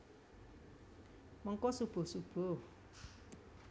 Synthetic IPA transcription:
mɔŋkɔsub̥o̤sub̥o

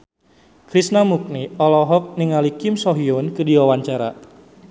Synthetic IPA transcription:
kɾisnamuk̚niɔlɔɦɔk̚niŋalikɪmsɔɦiɔnkɨdiwawaɲt͡ʃaɾa̰

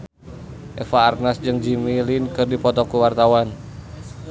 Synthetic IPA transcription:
ʔɛfaːrnasd͡ʒɨŋd͡ʒimilinkɨrdipɔt̪ɔkuwart̪awan

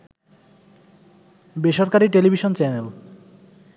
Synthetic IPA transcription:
beʃɔɾkaɾiʈelibʱiʃont͡ɕɛnel

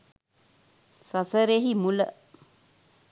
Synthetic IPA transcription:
sasəɾeɦimulə

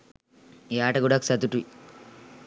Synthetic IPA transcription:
aːʈɐɡuɽaku̥sɐt̪uʈui

